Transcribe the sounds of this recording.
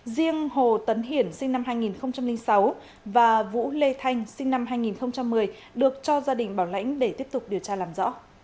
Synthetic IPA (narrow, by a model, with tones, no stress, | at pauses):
zi˧əŋho˨˩t̪ə˨˦nɦi˧˩ənsï˧ŋna˧mhɦaː˧jŋi˨˩nxə˧wŋ͡mt͡ɕa˧mlï˧ŋ̟sa˨˦w | vaː˨˩vṵ˧˥le˧t̪ʰa˧jŋ̟sï˧ŋ̟na˧mɦaː˧jŋi˨˩nxə˧wŋ͡mt͡ɕa˧mːɨ˨˩əj | ɗɨ˨˩ək̚t͡ɕɔ˧zaː˧ɗï˨˩ŋ̟ɓaː˧˩wla̰˧˥jŋ̟ɗe˧˩t̪i˦˥əp̚t̪ʊ˨˩k͡p̚ɗi˨˩əwt͡ɕaː˧laː˨˩mzɔ̰˧˥